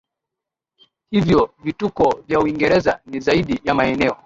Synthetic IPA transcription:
hivjɔvitukɔvjauiŋɡɛɾɛzanizaiɗijamaɛnɛɔ

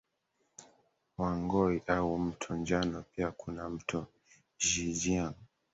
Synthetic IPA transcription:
waŋɡɔiʔaum̩tʰɔɲd͡ʒanɔpiakʰunam̩tʰɔ | ʒid͡ʒiaŋ

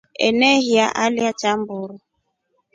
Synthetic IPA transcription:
ɛ̰nɛhiaʔaliat͡ʃambʊɾɔ

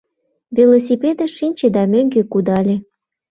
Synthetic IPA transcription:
vʲelos̬ʲipʲed̪əʃinʲt͡ɕed̪ɑmøŋɡekud̪ɑlʲe

